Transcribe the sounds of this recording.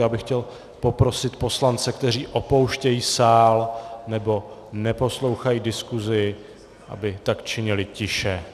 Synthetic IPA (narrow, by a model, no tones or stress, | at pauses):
jaːbɪxcɛl | po̞pɾo̞sɪt̪po̞slant͡sɛkt̪ɛɾ̝iːʔo̞po̞wʃcɛjiːsaːlnɛbo̞nɛpo̞slo̞wxajiːdɪskuzɪ | ʔa̰bɪt̪akt͡ʃɪɲɪlɪcɪʃɛ